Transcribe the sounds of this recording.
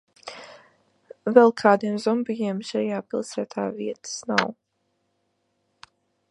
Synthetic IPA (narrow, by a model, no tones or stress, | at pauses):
vɛlˠkʰaːd̪iɛmzɔmbijiɛmʃɛjaːpilˠsæːt̪ʰa̰ːviɛt̪ə̥snaw